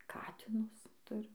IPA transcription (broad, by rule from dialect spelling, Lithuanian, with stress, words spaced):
ˈkɑːtʲɪnʊs ˈtʊrʲɪm